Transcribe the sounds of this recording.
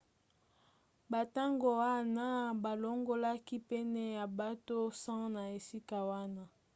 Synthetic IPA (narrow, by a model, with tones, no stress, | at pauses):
ba˨ta˦ŋɡo˨wa˦˨na˦ba˨lo˦ŋɡo˦la˦ki˦pɛ˦nɛ˦ja˨ba˦to˦sã˦na˨e˨si˦ka˨wa˦na˦